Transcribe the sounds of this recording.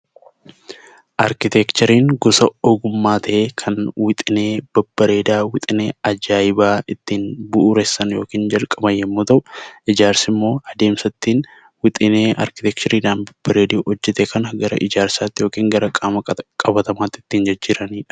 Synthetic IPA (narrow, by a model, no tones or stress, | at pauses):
ʔɐɾkɪt̪ɛkt͡ʃ̪ɔɾiːŋɡʊsɐɔɡʊmːaːt̪ʰɐʔeːkʰɐnwɪt̪ʼɪne̞ːb̥ɐb̥ːɐɾe̞ːd̪aːwɪt̪ʼɪneːɐd͡ʒaːjɪbaːɪt̪ːiːnbʊʔʊɾɛsːɐnjo̞ːkiːnd͡ʒɐlkʼɐbɐjjɛmːuːt̪ɐʔʊʔɪd͡ʒaːɾsɪmːo̞ːɐd̪e̞ːmsɐt̪ːiːn | wɪt̪ʼɪneːʔɐ̰ɾkɪ̥t̪ɛk̚t͡ʃɔɾiːd̪aːnbɐb̥ːɐɾeːd̪iɔd͡ʒːɛt̪eːkɐnɐɡɐɾɐ̰ʔɪd͡ʒaːɾsaːt̪ːɪjoːkiːŋɡɐɾɐkʼaːmɐkʼɐbɐt̪ɐmaːt̪ːɪ̥t̪ːiːnd͡ʒɪd͡ʒːiːɾɐniːᶑɐ̥